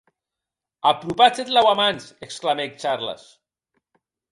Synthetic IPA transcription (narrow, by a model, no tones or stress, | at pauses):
apɾupat͡set̪lawamanseksklamekt͡ʃaɾla̰s